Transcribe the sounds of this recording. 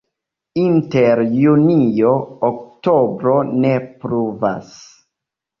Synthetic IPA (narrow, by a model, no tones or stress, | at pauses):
inte̞ɾjunijo̞ːk̚to̞bɾo̞ne̞pɾuva̰s